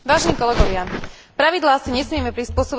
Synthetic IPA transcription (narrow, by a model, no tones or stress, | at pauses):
ʋaːʒɛniːkɔlɛɡɔʋɪapɾaʋid̪laːsiɲɛsmɪɛmɛpɾispʊɔsɔb